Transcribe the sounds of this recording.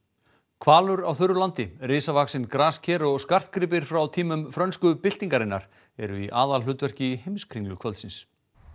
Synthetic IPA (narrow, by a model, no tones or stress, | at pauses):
kʰvaːlʏɾawθʏɾʏlant̪ɪrɪːsavaksɪnkɾaːscʰɛɾɔɣskar̥t̪̚kʰɾɪːp̬ɪɾ̥fɾawt̪ʰiːmʏmfɾœnskʏpɪl̥t̪iŋkaɾɪnːaɾ̥ | ɛɾʏiʔaːðalɦ̪ʏːt̪vɛr̥cɪhejmskʰɾiŋlʏkʰvœlt̪sɪns